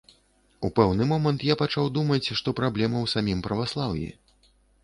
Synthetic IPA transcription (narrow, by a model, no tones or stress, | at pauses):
upɛwnɨmɔmɐnt̪japat͡ʂawd̪umɐt͡sʲʂt̪ɔpɾablʲɛmɐwsamʲimpɾɐvaslˠawjḭ